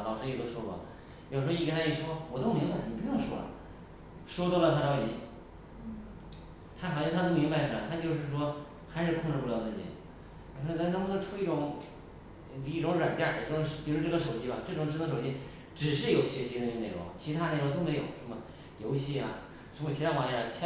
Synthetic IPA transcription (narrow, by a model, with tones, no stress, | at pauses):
xɑ˨˩ʊʂjo˨˩t̪o˥ʊʂwɔ˥kwɔ̰˥˩ | jo˨˩ʂɻ̩˧˥˧i˧˩kə˥nʰa˥ji˥˩ʂwɔ˥wɔ˨˩t̪o˥˩mi˧˥ŋba˧ɪni˨˩pu˧˥˧ʂwɔ˥lə̰˨˩ | ʂwɔ˥t̪wɔ˥˩lə˧t̪ʰa˥˩ʈ͡ʂɑ˧˥ʊt͡ɕi˧˥ | t̪ʰa˥xɑ˨˩ɕjɑ˥˧t̪ʰa˥t̪o˥mi˧˥ŋba˧ɪʈ͡ʂʰu˥˩la˧˩t̪ʰa˥t͡ɕjo˥˧ʊʂɻ̩˥˩ʂ̬wɔ˥ | xa˧˥ɪʂɻ̩˥˧kʰʊ˥˧ŋʈ͡ʂɻ̩˧pjɑ˧ʊt͡sɹ̩˥˩t͡ɕḭ˨˩ | i˨˧˩m˧˥wʈ͡ʂʰu˥i˥˩ʈ͡ʂʊ˨˧˥ŋ˧˩ | i˥˩ʈ͡ʂʊ˧˥ŋɻwa˨˩nt͡ɕja˥˩˧ʊ˧˥ʂpi˨˩ɻu˧˥ʈ͡ʂɤ˥˩ə˧ʂo˨˩ʊt͡ɕi˧˥ba˧ʈ͡ʂɤ˥˩ʈ͡ʂʊ˨ŋʈ͡ʂ̩̪˧˥˧ʂo˨˩ʊt͡ɕi˥ | ʈ͡ʂɻ̩˨˩ʂɻ̩˥˩jo˨˩ʊɕɥɛ˧˥ɕi˧˥˧ə˧ne˧˩ɪʊ̰˧˥˦t͡ɕʰi˧˥t̪ʰa˥ne˧˩ɪɻo˧˥t̪o˥me˧˥ɪjo˨˩ʊʂə˧˥mə˨ | jo˧˥ʊɕi˥˩a˩ | ʂə˧˥mə˧t͡ɕʰi˧˥t̪ʰa˥wa˧˥ja˥˩˧t͡ɕʰ